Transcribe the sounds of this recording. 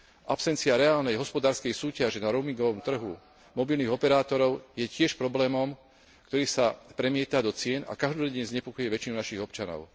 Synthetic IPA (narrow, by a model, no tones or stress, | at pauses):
ʔapsɛnt͡siaɾɛaːlnɛjɦɔspɔd̪aːɾskɛjsuːcaʒɛnaɾɔmiŋɡɔʋɔmt̪r̩ɦu | mɔbilniːɣɔpɛɾaːt̪ɔɾɔʊjɛcɪɛʃpɾɔblɛːmɔm | kt̪ɔɾiːsapɾɛmɪɛt̪ad̪ɔt͡sɪɛna̰kaʒd̪ɔdɛɲzɲɛpɔkɔjɛʋɛt͡ʃinunaʃiɣɔpt͡ʃanɔ̰ʊ